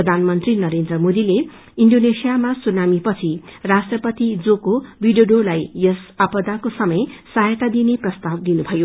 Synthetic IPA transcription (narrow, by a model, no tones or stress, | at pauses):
ʌd̪ʱanmʌnt̪rinʌɾend̪rʌmod̪ile | iɳɖonesijamasunamipʌt͡sʰirasʈrʌpʌt̪id͡zokobiɖjoɖolajjʌsʌpʌd̪akosʌmʌjsʌɦjt̪ad̪ineprʌst̪ab̚d̪inubʱʌjo